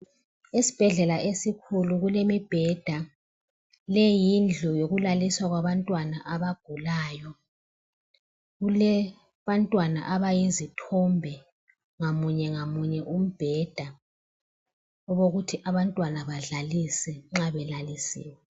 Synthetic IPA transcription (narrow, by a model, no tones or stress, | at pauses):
esi̥b̥ʱɛɮɛlaʔesikʰuluɣulemib̥ʱɛd̥ʱa | lɛjind͡ɮʱujoɣulaliswaɣwaβantʼwanaʔaβaɡ̥ʱulaːjɔ | ɣulɛ | βantʼwana̰ʔaβajizitʰɔmbʱɛ | ŋamuɲɛŋamuɲɛʔum̩b̥ʱɛd̥ʱa | ɔβoɣutʰiʔaβantʼwanaβaɮalisɛŋ͡ǁaβɛlalisḭːwɛ